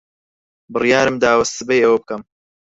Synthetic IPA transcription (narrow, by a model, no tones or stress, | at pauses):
bɨrijaːɾɨmd̪aːwɐsɨbejɐwɐb̚kɐm